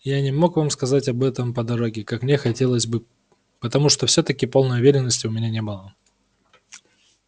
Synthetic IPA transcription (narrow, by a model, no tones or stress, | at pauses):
janʲɪmo̞kvamskɐzatʲɐbɛt̪əmpəd̪ɐɾo̞ɡʲɪkakmnʲexɐtʲe̞lˠəzʲbɨ | pət̪ɐmuʂt̪o̞fsʲɵt̪əkʲɪpo̞lˠnəjʊvʲeɾʲɪnːəsʲtʲʊmʲɪnʲanʲebɨlˠə